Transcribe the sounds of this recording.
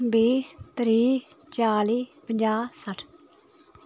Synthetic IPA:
biːt̪ɾiː | t͡ʃaːliːpəɲd͡ʒaːsəʈʰ

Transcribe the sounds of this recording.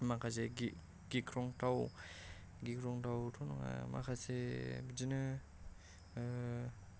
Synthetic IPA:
makʰaze | ɡikʰɾɔŋtaw | ɡikʰɾɔŋtawtʰɔnɔŋa̰ma̰kʰasebizinɯ

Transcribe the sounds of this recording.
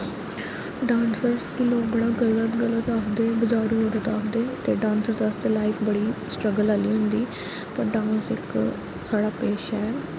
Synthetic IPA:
ɖãːnsəɾskiːloːkbəɽaːɡələt̪ɡələt̪aːkʰd̪eːbɪd͡ʒaːɾuːɦoːɾət̪aːkʰd̪eːt̪eːɖãːnsəɾsəst̪eːlaːɪfʰbəɽiːsʈɾəɡəlaːliːɦʊ̃nd̪iː | pəɾɖãːnsɪk | saːɽaːpeːʃɛː

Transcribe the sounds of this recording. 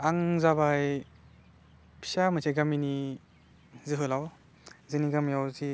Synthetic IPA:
aŋzabaj | pʰi̥samasʰeɡamini | zɯɦɯlaw | zɯniɡamjawzi

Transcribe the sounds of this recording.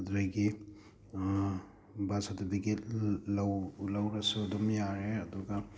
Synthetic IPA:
dɾajɡi | basadɐbiɡilawlawɾɐsudɔmjaɾeɐduɡa

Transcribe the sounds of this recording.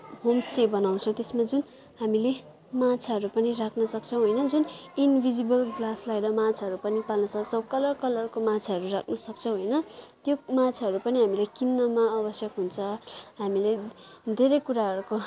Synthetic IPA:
ɦomsʈebʌnaw̃t͡sʰʌ̃t̪esmad͡zun | ɦamile | mat͡sʰaʌɾupʌnirakʰnʌsʌkt͡sʰʌ̃w̃ɦojnʌd͡zuninbʱid͡zibʌlɡlaslajɾʌmat͡sʰaɦʌɾupʌnipalnʌsʌk̚t͡sʰʌ̃w̃kʌlʌrkʌlʌrkomat͡sʰaɦʌɾurakʰnʌsʌk̚t͡sʰʌ̃w̃ɦojnʌt̪jomat͡sʰaɦʌɾupʌniɦamilajkinːʌmaʌbʌsjʌkɦunt͡sʰʌɦamiled̪ʱeɾʌjkuɾaɦʌɾuko

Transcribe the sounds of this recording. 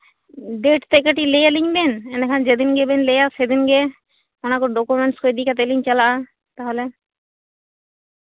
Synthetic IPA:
ɖeʈt̪ekaʈilejaliɲbenenekʰand͡ʑed̪inɡebenlejased̪inɡe | onakoɾɖokumeɳʈskojd̪ikat̪̬eliɲt͡ɕalaa | t̪aɦole

